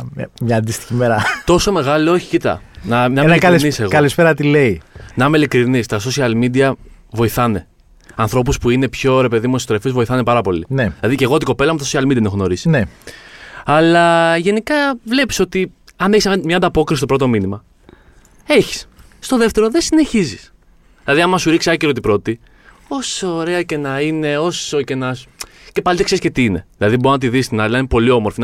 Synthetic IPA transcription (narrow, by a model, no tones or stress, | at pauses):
mɲɐːnd̪ist̪i̥çimeɾɐt̪o̞so̞me̞ɣɐlooçi̥cit̪ɐ̰nɐnɐmeɐlniseɣɐlispeɾɐt̪ile̞inɐmeilikɾinist̪ɐs̬o̞siɐlmid̪iɐ | vo̞iθɐne̞ | ɐnθɾo̞puspuine̞pço̞ɾe̞pe̞ðimuesot̪ɾefizvo̞iθɐne̞pɐɾɐpo̞lineilɐðice̞ɣo̞t̪iko̞pe̞lɐmut̪ɐsosiɐlmid̪iɐt̪enxono̞ɾisine | ɐlɐʝe̞nikɐvle̞piso̞t̪i | ɐneçsmɲɐnd̪ɐpo̞kɾisist̪opɾo̞t̪ominimɐ | eçi̥sː | t̪o̞ðe̞ft̪e̞ɾoðesine̞çizis | ðilɐðiɐmɐsuɾiksiɐceɾot̪ipɾo̞t̪i | o̞so̞ːɾe̞ɐce̞nɐine̞o̞so̞ce̞nɐs | ce̞pɐlit̪ekseɾiscet̪iine̞ðilɐðiboɾonɐt̪iðisst̪inɐliinepo̞lio̞mo̞ɾfin